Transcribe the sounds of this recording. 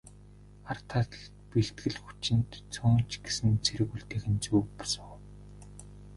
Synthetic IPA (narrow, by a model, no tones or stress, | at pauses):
art̪ʰat̪ɮ | piɬt̪̚ɡɘ̆ɮxu̥t͡ɕɪ̆nt̪t͡sʰʊːn̥t͡ɕɡesɘ̆nt͡sʰeɾɘ̆ɣuɬt̪eːxɘ̆nt͡suːpɔ̥sə̆ŋ